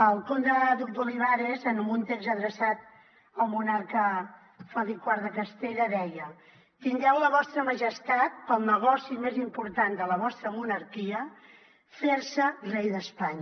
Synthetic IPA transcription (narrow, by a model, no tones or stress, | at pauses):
əlˠkond̪əðuk̚d̪ulinaɾezənmbunt̪ekzəðɾəsat̪̚ | əlˠmunaɾkə | faðikwaɾðəkəst̪eʎəðɛjə | t̪iŋɡɛwləβɔst̪ɾəməʒəst̪at̪̚pəlˠnəɣ̞ɔsimezimpuɾt̪and̪ələβɔst̪ɾəmunəɾkiə | feɾsərejðəspaɲ